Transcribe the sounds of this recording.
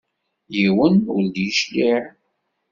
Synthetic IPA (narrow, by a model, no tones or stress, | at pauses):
jiwənwəld̪jiʃliʕ